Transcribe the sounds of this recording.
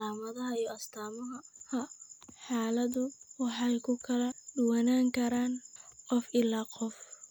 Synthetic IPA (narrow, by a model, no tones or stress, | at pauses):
aːmɐðɐɦɐijɔɐst̪ʰaːmɐɦɐhɐħɑːlɐðʊwɑħɑjkʰʊkʰɐlɐɖʊwɑnaːŋkʰɐɾaːnqɔfɪlaːqɔf